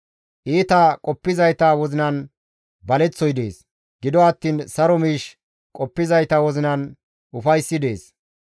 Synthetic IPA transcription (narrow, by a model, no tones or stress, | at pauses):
ʔiːt̪ɐkʼɔpːɪzɐjt̪aːwɔzɪnɐn | bɐlɛt͡sːɔjd̪e̞̰ːs | ɡɪd̪ɔɐt̪ːiːnsɐɾɔmiːʃ | kʼɔpːɪzɐjt̪ɐwɔzɪnɐn | ʊfɐjsːɪd̪e̞ːs